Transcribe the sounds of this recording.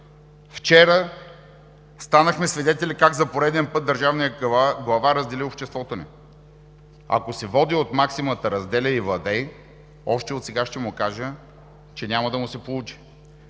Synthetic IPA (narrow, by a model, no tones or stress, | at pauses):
ft͡ʃɛɾə | st̪anəxmɛsvid̪ɛt̪ɛlʲikaɡzɐpoɾɛd̪ɛnpɤt̪̚d̪əɾʒavnijəɡlˠɐvaɾəzd̪ɛliopʃt̪ɛst̪vɔt̪oni | ɐ̰kosɛvɔd̪iot̪maksimət̪əɾɐzd̪ɛlʲəivlˠɐd̪ɛj | ɔʃt̪ɛot̪sɛɡaʃt̪ɛmʊkaʒə | t͡ʃɛnʲaməd̪ɐmʊsɛpolˠut͡ʃi̥